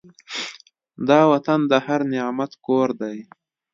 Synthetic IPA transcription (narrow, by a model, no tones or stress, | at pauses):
d̪ɑwat̪and̪əhaɾnɪɑmat̪koɾd̪aj